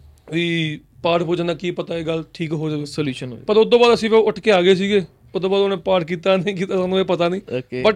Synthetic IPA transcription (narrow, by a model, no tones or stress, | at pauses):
iː | paːɾpoːd͡ʒãnd̪aːkiːpət̪aːeːɡəlʈʰiːkɦoːd͡ʒaːeːsəljuːʃəno̰pəɾʊd̪õːbaːd̪əsĩːpɛʊʈʰkeːaːɡeːs̬iːɡeː | ʊd̪õːbaːd̪onẽːpaːɾkiːt̪aːneĩːk̬iːt̪aːsaːnũːeːpət̪aːnĩːbəʈ